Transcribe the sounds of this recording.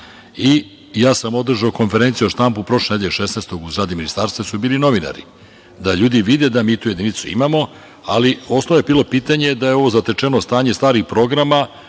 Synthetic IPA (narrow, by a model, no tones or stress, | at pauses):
i | jaːsamo̞d̪r̩ʒaoko̞nfeɾent̪sijuoʃt̪ampupɾo̞ʃlened̪eeʃesneːst̪o̞ɡuzɡɾaːd̪iminist̪aːɾst̪ʋasubiːlino̞ʋina̰ɾḭ | d̪aʎuːd̪iʋid̪e̞d̪amiːt̪uːjed̪init̪suḭmamo̞ | alio̞snooebiːlo̞piːt̪aɲe̞d̪ajeo̞ʋo̞zat̪et͡ʂenost̪aːɲe̞st̪aːɾixpɾo̞ɡɾama